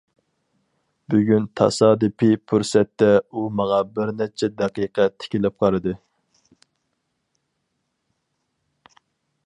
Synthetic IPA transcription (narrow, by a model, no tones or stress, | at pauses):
byɡʲynt̪ʰɑ̰sɑːd̪ɨpʰipʰuɾsɛt̪ːɛumɑŋɑbɪɾnɛt͡ʃʰɛd̪ɛqiqʰɛt̪ʰːɪ̥kʲilɪp̚qʰɑɾɨd̪ɨ